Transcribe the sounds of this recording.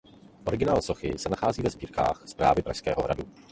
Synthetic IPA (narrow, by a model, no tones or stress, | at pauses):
ʔo̞ɾɪɡɪnaːlso̞xɪsɛnaxaːziːvɛzbiːɾka̰ːxspɾa̰ːvɪpɾa̰jskɛ̰ːɦoɦɾa̰du